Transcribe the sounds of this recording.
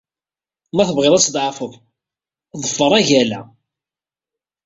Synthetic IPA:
mæθəvʁɪðˤæsd̪ʕɑfəv | ðˤəfːəɾˤæʝælæ

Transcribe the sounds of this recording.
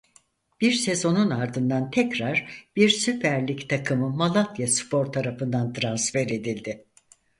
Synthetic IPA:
b̥iɾse̞zo̞nunaɾd̪ɯnd̪ant̪ʰɛcɾaɾb̥iɾsypʰæɾlʲict̪ʰakʰɯmɯmalˠat̪jaspʰo̞ɾt̪ʰaɾafɯnd̪ant̪ʰɾansfɛɾe̞d̪ilʲd̪ɪ

